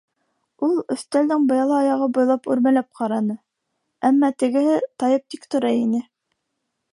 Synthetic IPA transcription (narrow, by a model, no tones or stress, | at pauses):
ulˠɵ̆θt̪æld̪ɘŋbɑjɑlˠɑɑjɑʁɤbŏjlˠɑpʉɾmælæp̚qɑɾɑnɤ | æmːɑt̪ɘ̆ɡɘ̆hɘt̪ɑjɤp̚t̪ikt̪ŏɾɑjinɘ